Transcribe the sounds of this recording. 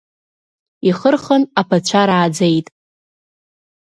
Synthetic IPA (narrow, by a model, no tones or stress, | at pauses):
iχərχənapʰat͡ɕʷʰaɾaːd͡zejtʼ